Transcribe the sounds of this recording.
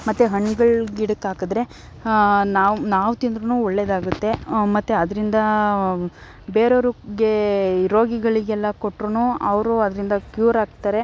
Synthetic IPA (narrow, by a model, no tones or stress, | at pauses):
mɐt̪ːeɦɐɳːɡɐɭɡiɽɐkaːkɐd̪ɾe̞ | naːnaːʋt̪ind̪ɾunuːɔɭːed̪aːɡut̪ːe̞mɐt̪ːeɐd̪ɾind̪ɐ | beːɾoɾuɡe̞ɾo̞ːɡiɡɐɭiɡɛlːɐko̞ʈːɾunuɐʋɾuɐd̪ɐɾind̪ɐkjuːɾaːɡ̚t̪aɾe̞